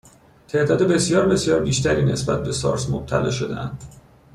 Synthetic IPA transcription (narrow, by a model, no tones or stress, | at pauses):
t̪ʰe̞d̪ɒːd̪ebe̞sjɒːɾbe̞sijɒːɾbiːʃt̪ʰæɾiːne̞sbæt̪̚be̞sɒ̰ːɾsmob̥̚t̪ʰæ̰lɒːʃo̞d̪ḛʔæ̰nd̪̥